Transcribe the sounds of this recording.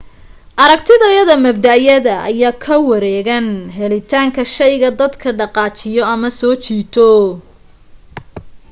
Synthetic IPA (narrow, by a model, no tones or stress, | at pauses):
ʔɐɾɐɡt̪ʰɪðɐjɐðɐmɐb̚d̪ɐʔjɐðɐɐ̰jaːkʰɐwɐɾɛːɣɐnɦɛlɪt̪ʰaːŋkʰɐʃɐjɣɐd̪ɐd̪kʰɐɖɑqɑːt͡ʃɪjɔɐmɐsɔːt͡ʃiːt̪ʰɔ